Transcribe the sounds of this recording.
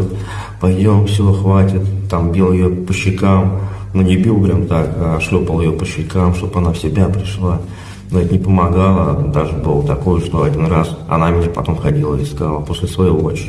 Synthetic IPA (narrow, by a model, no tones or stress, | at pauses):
t̪ | pɐjdʲomfsʲɪvoxvatʲɪt̪t̪ambʲilˠjɪjopəɕːɪkam | nunʲɪbʲilˠpɾʲɛmt̪akaʂlʲopəlˠjɪjopəɕːɪkamʂt̪o̞pɐnafsʲɪbʲapɾʲɪʂlˠa | nt̪nʲɪpəmɐɡalˠəd̪aʐɨbɨlˠət̪ɐko̞jʂt̪oɐdʲinrasɐ̰namʲɪnʲapɐt̪o̞mxɐdʲilˠəɪskalˠəpo̞sʲlʲɪsvɐjoot͡ɕɪ